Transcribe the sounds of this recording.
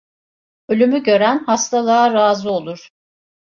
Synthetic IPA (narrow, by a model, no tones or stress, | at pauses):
ø̞lʲymyɟø̞ɾænhast̪ʰalˠaːɾaːzɯo̞lˠuɾ̥